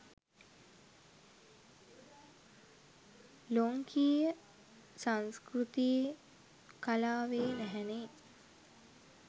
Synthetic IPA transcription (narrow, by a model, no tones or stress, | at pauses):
loŋkʰijə | saŋskrut̪ije | kalaːʋeːnæɦɛne